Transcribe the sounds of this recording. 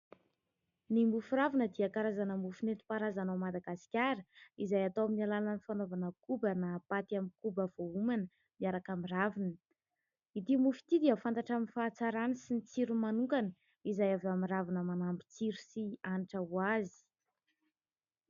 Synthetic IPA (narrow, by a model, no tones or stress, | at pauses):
nimufuɾavinəd̪iəkaɾazanəmbufinet̪i̥paɾazanamad̪aɡasi̥kʲaɾəizajat̪owaminalalənifanovanəkubənapat̪iamikubəv̥oumanə | miaɾakamiravinə | it̪imufi̥t̪id̪iəfant̪aʈ͡ʂaminfat͡saɾanəsint͡siɾumanuŋkanə | izajavamiravanəmanambit͡siɾusianiʈ͡ʂəwazi̥